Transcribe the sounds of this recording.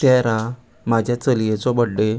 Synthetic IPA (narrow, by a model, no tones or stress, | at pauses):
t̪ɛɾa | mad͡ʑʱjat͡səlijet͡sɔbəɽːe